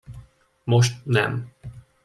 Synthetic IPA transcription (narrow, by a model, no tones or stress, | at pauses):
moʃt̪nɛ̰m